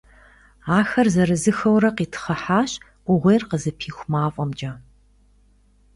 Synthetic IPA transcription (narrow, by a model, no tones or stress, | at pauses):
aːxɐrzɐɾɨzɨxɐwɾɐqiːtʰχɐħaːɕʼ | ʔʷʊʁʷejrqəzɨpʰiːxʷmaːfʷʼɔmd͡ʒʼɐ